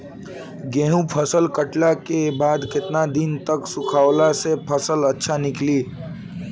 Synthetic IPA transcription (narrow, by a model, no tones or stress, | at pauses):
ɡẽɦũpʰəsəlkəʈlakebaːd̪kɪt̪nad̪int̪əksʊkʰaːwlasepʰəsələtːʃʰanɪkliː